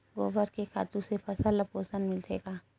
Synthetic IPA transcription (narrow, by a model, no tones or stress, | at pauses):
ɡoːbəɾkekʰa̰ːt̪ũsepʰɐsəlːəpoːsənmɪlsḛːɡaː